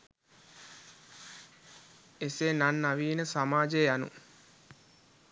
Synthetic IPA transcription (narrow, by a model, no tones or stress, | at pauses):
esenanːaʋiːnəsamaːd͡ʒejanṵ